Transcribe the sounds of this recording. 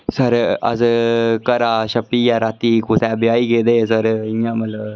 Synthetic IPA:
səɾə̰d͡zəkəɾaɕəpijaɾat̪ikusabjaiɡed̪esəɾiɲaməla

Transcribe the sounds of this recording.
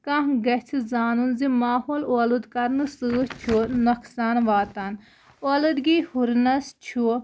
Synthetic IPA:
kãɦɡɐt͡sʰizaːnunzimaːɦoːloːlud̪kɐɾnɨsɨːt͡ʃʰunɐkʰsaːnʋaːt̪an | oːlɨd̪ɡiːhuɾnɐst͡ʃʰu

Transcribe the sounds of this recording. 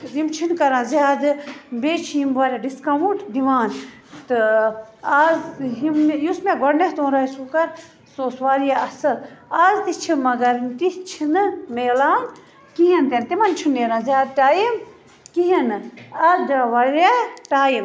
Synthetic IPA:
zimt͡ʃʰinkɐɾãːzjaːd̪ɨbeːt͡ʃʰijimʋaːɾaɖiskɐʋuʈd̪iʋaːn | t̪ɨ | aːzɦimjusmeɡɐɽnɐht̪oːnɾaːjsukɐɾ | soːsʋaːɾjaɐsɐlaːzt̪it͡ʃʰimɐɡɐɾnt̪it͡ʃʰinɨmeːlaːn | kiɦint̪ent̪imɐnt͡ʃʰineːɾãːzʲjaːd̪̚ʈaːjim | kiɦinɨazd̪aːʋɐɾaʈaːjim

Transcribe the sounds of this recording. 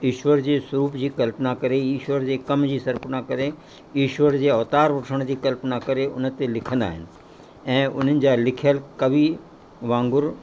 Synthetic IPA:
iːʃʋəɾd͡ʑeːswəɾuːpd͡ʑiːkɐlpnakɐɾejiːʃʋəɾd͡ʑeːkɐmd͡ʑiːsɐɾpənakɐɾe | jiːʃʋəɾd͡ʑeːɐʋt̪aːɾʋɐʈʰəɽ̃d͡ʑiːkɐlpnakɐɾeʊ̰nə̆t̪elɪkʰə̃nd̪a̰ːɦɪnɪ̆ | ɛ̃ːʊ̰n̤ənɪ̆d͡ʑalɪkʰjəlkɐbi | ʋãːŋɡʊɾ

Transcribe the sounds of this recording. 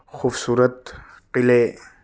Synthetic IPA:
xufsuːɾɑt̪ | qile

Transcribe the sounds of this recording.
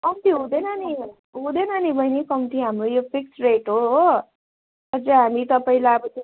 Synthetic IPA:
ʌt̪iɦũd̪enʌni | ɦũd̪enʌnibʱʌjnikʌmit̪iɦamrojopʰik̚sreʈɦoɦ | ʌd͡zʌɦamit̪ʌpaĩlaʌbʌt̪

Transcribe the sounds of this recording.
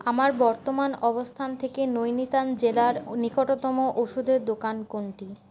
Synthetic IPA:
amaɾbɔɾt̪omanɔbost̪ʰant̪ʰekenojnit̪and͡ʑelaɾnikoʈot̪ɔmoʔoʃud̪ʱeɾd̪okankoɳʈi

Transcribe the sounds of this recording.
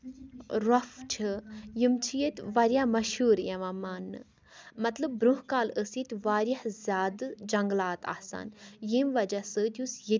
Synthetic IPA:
ɾɐft͡ʃʰɨjimt͡ʃʰijet̪ʋɐɾjamɐʃhuːɾjeʋamaːnːɨ̰ | mɐt̪ləb̚bɾuɦkaːləsit̪ʋaːɾʲjɐhzʲaːd̪d͡ʒɐŋɡlaːt̪a̰hsa̰ːnjimʋɐd͡ʒasəːt̪jusji

